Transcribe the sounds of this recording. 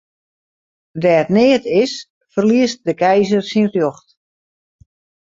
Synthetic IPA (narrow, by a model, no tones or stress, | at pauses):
dɛətnɪətɪs | fərliəst̚dəkɛjzərsinrjoxt